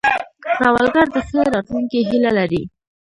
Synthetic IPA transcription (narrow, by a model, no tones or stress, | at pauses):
ɾawalɡaɾd̪əxəɾɑt̪luŋkiɦilalaɾi